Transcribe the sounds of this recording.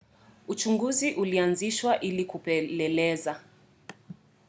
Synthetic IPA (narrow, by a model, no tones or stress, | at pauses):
ut͡ʃuŋɡuziʔulianziʃwaʔilikupɛlɛlɛza